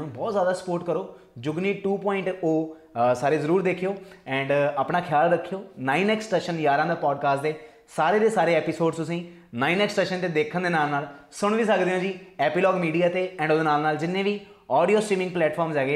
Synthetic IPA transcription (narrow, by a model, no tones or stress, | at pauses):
ũːbɔːt̪zjaːd̪aːsə̥poːɾʈkəɾoː | d͡ʒʊɡniːʈuːpɔːɪ̃ɳʈoː | saːɾeːzəɾuːɾd̪eːkʰːijoːɛ̃ːɳɖaːpɳaːkʰɪjaːlɾəkʰːijoːnaːinɛːksʈeːʃənjaːɾãːd̪eːpɔːɖkaːsʈd̪eː | saːɾeːd̪eːsaːɾeːɛːpisoːɖst̪ʊsĩː | naːinɛːksʈeːʃənt̪eːd̪eːkʰənd̪eːnaːlnaːlsʊɳ̃ʋiːsəkd̪eːõːd͡ʒiːɛːpiːlɔːɡmiːɖijaːt̪eːɛ̃ːɳɖoːd̪eːnaːlnaːld͡ʒɪnːẽːʋiː | ɔːɖijoːsʈɾiːmɪ̃ŋɡ̚plɛːʈpʰɔːɾmzɛːɡeː